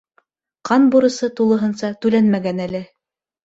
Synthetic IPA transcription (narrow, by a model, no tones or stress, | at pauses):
qɑnbuɾɤ̆sɤt̪ulˠɤ̆ɦɤ̆nsɑt̪ʉlænmæɡænælɘ